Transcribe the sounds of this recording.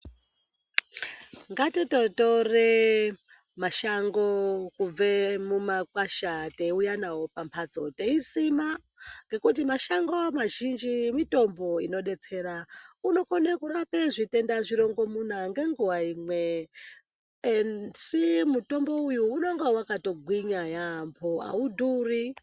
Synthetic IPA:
ŋɡatitotore | maʃaŋɡokub͡vemumakwaʃateujanawo̞pampʰad͡zo̞teisima | ŋɡe̞kut̬imaʃaŋɡo̞maʒind͡ʒimito̞mbo̞ino̞ɗe̞t͡se̞ːɾauno̞konekuɾapeʐite̞ndaʐiɾo̞ŋɡo̞mun̤aŋɡe̞ŋɡuwaiːmwe | ensimuto̞mbo̞ujuːnoŋɡewakato̞ɡʱwiɲajampʰoa̰udʱuri

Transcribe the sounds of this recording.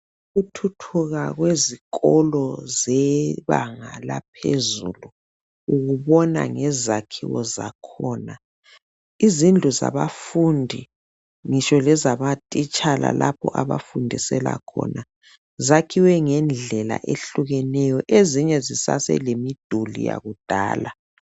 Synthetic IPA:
uɣutʰutʰuɣaɣweziɣɔlɔzɛβaŋa̰lapʰḛzulu | uɣuβɔna̰ŋɛzakʰḭwɔzakʰɔːna | izind͡ɮʱuza̰βafundʱi | ŋiʃɔlɛzamatʼit͡ʃʼala̰lʔapʰɔʔaβafundʱisɛla̰kʰɔ̰ːna | zakʰiwɛŋɛnd͡ɮʱɛla̰ʔeɬuɣɛnɛjɔʔeziɲɛzisa̰sɛ̰lemid̥ʱulḭja̰ɣud̥ʱaːla

